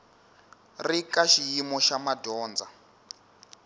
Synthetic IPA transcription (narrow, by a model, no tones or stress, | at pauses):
rikaʃijimɔʃamadɔːnd͡za